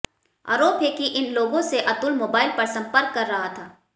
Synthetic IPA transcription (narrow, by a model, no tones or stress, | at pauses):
a̰ːɾoːpɦekiʔɪnloːɡõseʔɐt̪ʊlmoːbaːɪlpɐɾsɐ̃mpəɾkːɐɾːɐɦat̪ʰaː